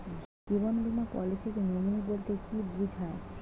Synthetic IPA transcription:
ibonbʱumapɔ̰lisikenominibolt̪ekibud͡ʑʱae

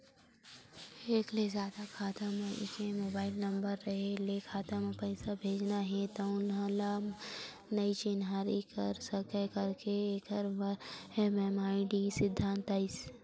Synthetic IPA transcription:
eːklezjaːd̪akʰaːt̪amẽʔɪ̰kẽmoːbaːɪlnɐ̃mbəɾːɐɦelekʰaːt̪amẽpɐɪsabʱeːd͡ʒnaɦɛ̃t̪oʊnɦãla | nɐit͡ʃɪnɦaːɾikɐɾsɐkəkɐɾkeeːkəɾʋɐɛmɛmaːiɖisɪd̪ʱːãːnt̪aːɪs

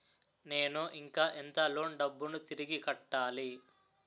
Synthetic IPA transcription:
ne̞ːnuʔiŋkaːʔent̪ɐlo̞ːɳɖɐbːunut̪iɾiɡikɐʈːaːli

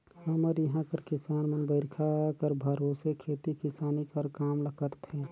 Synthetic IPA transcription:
həməɾjəɦãkəɾkɪsaːnmənbəɪɾkʰakəɾbʱəɾoːsekʰeːt̪ikɪsaːnikəɾkaːmləkəɾt̪ʰɛ

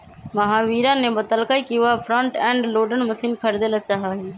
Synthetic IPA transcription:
məɦãːʋiːɾãnebət̪əlkaikiʋapʰɾə̃ɳʈɛ̃ːɳɖloːɖənməsiːnkʰəɾd̪elət͡ʃaːɦaːɦe

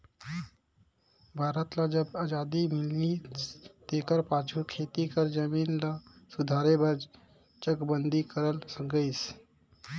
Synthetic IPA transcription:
bʱaɾət̪lad͡ʒəbad͡ʒad̪imilnit̪ekəɾpat͡ʃʰukʰet̪ikəɾd͡ʒəminlasud̪ʱaɾebəɾd͡ʒ | t͡ʃəkbənd̪ʱikəɾəlsəɡəɪs

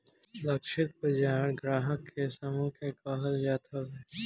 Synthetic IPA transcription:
lɐkʃɪt̪̚bəd͡ʒaːɾɡɾaːɦəkːesɐmũːkʰekaɦəljaːt̪ʰəʋ

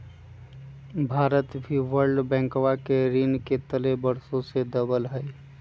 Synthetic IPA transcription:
bʱaːɾət̪bʱiwəɾɖbɛ̃ːŋkʋakeɾinket̪əlebəɾsõsed̪əbəlɦəj

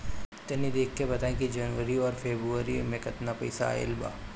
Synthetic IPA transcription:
t̪ɐnid̪eːkʰːebɐt̪aːẽkid͡ʒɐnʋəɾiɔːɾfeːbɾuəɾimẽkɐt̪napɐɪsa̰ḛlba̰ː

